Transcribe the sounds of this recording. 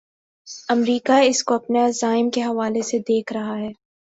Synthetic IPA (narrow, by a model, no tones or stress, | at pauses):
ɐmɾiːkaɪskoɐpnazaːɪmkeɦɐʋaːlesed̪eːkʰɾɐɦaɦɛː